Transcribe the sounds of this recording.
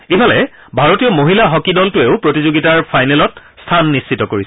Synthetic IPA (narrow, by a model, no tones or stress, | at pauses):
ebalɛ | bʱaɹotijɔmoɦilaɦɔkidɔltʊeʊpɹotizoɡitaɹpʰajnɛlɔtstʰanːisːitɔkoɹis